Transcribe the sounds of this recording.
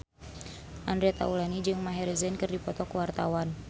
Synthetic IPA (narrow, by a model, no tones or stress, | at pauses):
ʔandɾiat̪a̰ulanid͡ʒɨŋmaɦɛɾɛzɛnkɨrdipɔt̪ɔkuwart̪awan